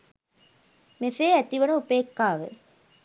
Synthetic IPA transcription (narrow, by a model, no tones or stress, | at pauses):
meseːæt̪iʋɐnuupeːkːaːʋɨ